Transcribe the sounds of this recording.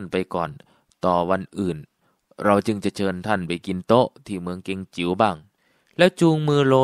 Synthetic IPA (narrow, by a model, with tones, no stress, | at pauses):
npa˧jkɔ̰ː˨˩n | t̪ɔː˨˩wa˧nʔɯː˨˩n | ɾa˧wt͡ɕɯ˧ŋt͡ɕa˨˩t͡ɕʰɤː˧nt̪ʰa˧˥˩npa˧˩jki˧nt̪o˦˥ʔt̪ʰiː˧˩mɯ˧əŋke˧ŋt͡ɕi˩˦wbaː˧˥˩ŋ | lɛː˦˥˩wt͡ɕuː˧ŋmɯː˧loː˧˥